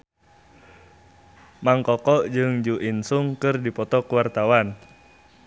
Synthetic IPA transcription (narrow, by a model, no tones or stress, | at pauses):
maŋkɔkɔʔd͡ʒɨŋd͡ʒuʔinsuŋkɨrdipɔt̪ɔkəwart̪awan